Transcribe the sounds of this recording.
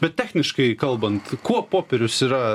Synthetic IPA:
bʲɛt̪̚tʲæːxʲnʲɪʃkɐɪkɐlˠbɐnt̪kuɔpoːpʲɛɾʲʊsiːɾɐ

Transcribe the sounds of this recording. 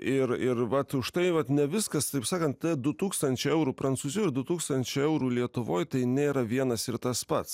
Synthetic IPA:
ɪɾɪɾʋɐt̪ʊʃt̪ɐɪʋɐt̪nʲɛʋʲɪskɐst̪ɐɪpsɑːkɐnt̪tɛd̪ʊt̪uːkst̪ɐnʲt͡ʃʲɛɛʊɾuːpɾɐnt̪suːzʲuːɪɾd̪ʊt̪uːkst̪ɐnʲt͡ʃʲɛɛʊɾuːlʲiɛt̪ʊʋoːjt̪ɐɪnʲeːɾɐʋʲiɛnɐsɪɾt̪ɐspɐt̪s

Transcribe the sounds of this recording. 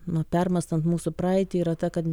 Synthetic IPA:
nʊpʲɛrmɐst̪ɐnt̪muːsʊpɾɑːɪt̪ʲɪiːɾɐt̪ɐkɐt̪ʲ

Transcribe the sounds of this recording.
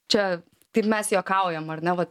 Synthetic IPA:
t͡ʃʲɛ | t̪ɐɪpmʲɛsjoːkɐʊjɛmɐɾnʲɛʋɐt̪

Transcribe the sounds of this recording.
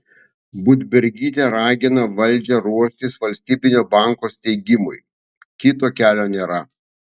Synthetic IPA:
bʊd̪ʲbʲɛɾʲɡʲiːt̪ʲeɾɑːɡʲɪnɐʋɐlʲd͡ʒʲɛɾuɔʃʲt̪ʲɪsʋɐlʲsʲt̪ʲiːbʲɪnʲoːbɑˑŋkoːst̪ʲɛɪɡʲɪmʊj | kʲɪt̪oːkʲæːlʲoːnʲeːɾɐ

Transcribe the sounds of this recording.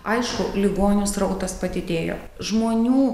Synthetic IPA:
ɐɪʃkʊlʲɪɡoːnʲʊsɾɐʊt̪ɐspɐt̪ʲɪt̪ʲeːjo̰ː | ʒmoːnʲuː

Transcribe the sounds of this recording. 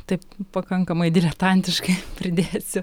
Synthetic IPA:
t̪ɐɪppɐkɐŋkɐmɐɪd̪ʲɪlʲɛt̪ɐnʲt̪ʲɪʃkɐɪpʲɾʲɪd̪ʲeːsʲʊ

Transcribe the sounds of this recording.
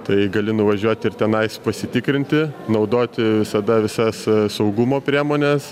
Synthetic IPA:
t̪ɐɪɡɐlʲɪnʊʋɐʒʲuɔt̪ʲɪrt̪ʲɛnɐɪspɐsʲɪt̪ʲɪkɾʲɪnʲt̪ʲɪnɐʊd̪oːt̪ʲɪʋʲɪsɐd̪ɐʋʲɪsɐssɐʊɡumoːpʲɾʲiɛmoːnʲɛs

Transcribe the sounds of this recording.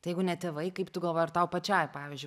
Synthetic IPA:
ɐɪjɛɪɡʊnʲɛt̪ʲɛʋɐɪkɐɪpt̪ʊɡɐlˠʋoːjɐɾt̪ɐʊpɐt͡ʃʲɛjpɑːʋʲizʲd͡ʒʲʊ

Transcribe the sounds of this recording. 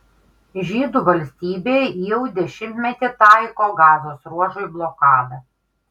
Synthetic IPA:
ʒʲiːd̪uːˑʋɐlʲsʲt̪ʲiːbʲeːjjɛʊd̪ʲɛʃʲɪmʲt̪ʲmʲɛt̪ʲɪt̪ɑɪkoːɡɑːzoːsɾuɔʒoɪblˠokɑːd̪ɐ

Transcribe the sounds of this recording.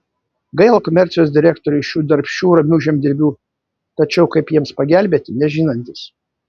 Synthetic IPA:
ɡɐɪlˠɐkomʲɛɾʲt̪sʲɪjoːsd̪ʲɪɾʲæːkt̪oɾʲʊɪʃʲuːd̪ɐɾʲpʲʃʲuːɾɐmʲuːʒʲɛmʲd̪ʲɪɾʲbʲuː | t̪ɐt͡ʃʲɛʊkɐɪpjiɛmspɐɡʲæˑlʲbʲeːt̪ʲɪnʲɛʒʲɪːnɐnʲt̪ʲɪs

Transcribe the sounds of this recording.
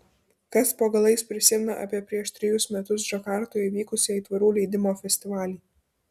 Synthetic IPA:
kɐspoːɡɐlˠɐɪspʲɾʲɪsʲɪmʲɪnɐʔɐ̰pʲiɛpʲɾʲiɛʃt̪ʲɾʲɪjʊsmʲɛt̪ʊs̬d͡ʒɐkɑˑɾt̪oːjɛʋʲiːkʊsʲiiːt̪ʋɐɾuːlʲɛɪd̪ʲɪmoːfʲɛsʲt̪ʲɪʋɑːlʲiː

